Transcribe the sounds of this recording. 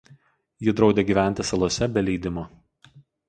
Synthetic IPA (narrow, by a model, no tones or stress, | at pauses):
jɪd̪ɾɒʊd̪ʲeːɡʲiːʋʲæˑnʲt̪ʲɪsɐlˠuɔsʲɛbʲɛlʲɛɪd̪ʲɪmoː